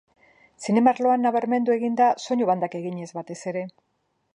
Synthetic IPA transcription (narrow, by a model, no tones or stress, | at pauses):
sine̞maɾlo̞anːaβaɾme̞nd̪ue̞ɣind̪aso̞ɲoβand̪ake̞ɣiɲe̞zβat̪e̞se̞ɾe̞